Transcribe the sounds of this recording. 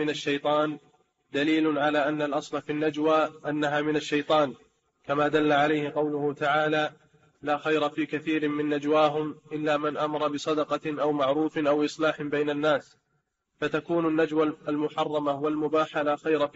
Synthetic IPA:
ɪnaʃːajt̪ˤɑːn | d̪aliːlʊnʕalaːʔanːalʔɑsˤlafinːad͡ʒwaːʔanːaɦaːmɪnaʃːajt̪ˤɑːn | kamaːd̪alːaʕalajhɪqɑwlʊhʊt̪aʕaːlaː | laːxajɾafiːkaθiːɾɪmɪnːad͡ʒwaːɦʊmʔɪlːaːmɪnʔamɑɾˤɑbɪsˤɑd̪ɑqɑʔawmaʕɾuːfɪʔawʔɨsˤlaːħbajnanːaːs | fat̪akuːnanːad͡ʒwalmʊħɑrˤːɑmawalmʊbaːħalaːxajɾa

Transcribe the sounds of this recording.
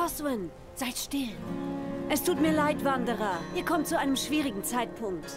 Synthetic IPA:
ɔswɪn | z̥aɪtʃtɪl | ʔɛstʰuːtmiːɐlaɪtv̥andəʁɐʔiːɐkʰɔmtt͡suʔaɪnəmʃv̥iːʁɪɡŋ̩t͡saɪtpʰʊŋk̚t

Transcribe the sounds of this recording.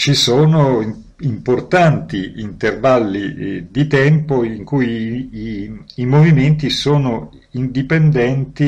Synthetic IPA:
t͡ʃisoːno | import̪ant̪iint̪ervalːid̪it̪ɛmpoiŋkujiimoviment̪isoːno | ind̪ipend̪ɛnt̪i

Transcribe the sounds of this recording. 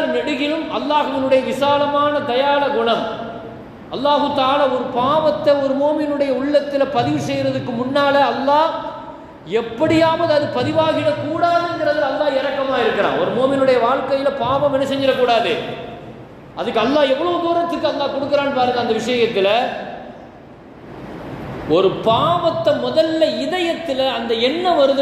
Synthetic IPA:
ɐɾnɛɽɯɣɪlɯmɐlːaːɣɯʋɪnɯɽɐjɐʋɪsaːlɐmaːnɐd̪ɐjaːɭɐɡʊɳɐm | ʔɐlːaːɣɯt̪aːlaːɔɾɯpaːʋɐt̪ːɐɔɾɯmoːmɪnɯɽɐjɐʊɭːɐt̪ːɪlɐpɐðɪʋɯsɛjɾɐðɯkːɯmʊnːaːlɐɐlːaː | ɛpːɐɽɪjaːmɐðɯɐðɯpɐðɪʋaːɣɪɾɐkuːɽaːðɯɛnɡɪɾɐðɪɐlːaːɛɾɐkːɐmaːɪɾɯkːɐɾã̰ːɔɾɯmoːmɪnɯɽɐjɐʋaːɻkɐjɪlɐpaːʋɐ̃mɛnːɐsɛɲd͡ʒɪɾɐkːuːɽaːðɯ̰ | ɐðɯkːɯɐlːaːɛʋːɐɭɐʋd̪uːɾɐt̪ːɯkːɯɐlːaːkɔɽɯkːɯɾaːnɯpaːɾɯŋɡɐɐnd̪ɐʋɪʂɐjɐt̪ːɪlɐ | ɔɾɯpaːʋɐt̪ːɐmɔðɐlːɐɪðɐjɐt̪ːɪlɐːnd̪ɐɛnːɐʋɐɾɯðɯ

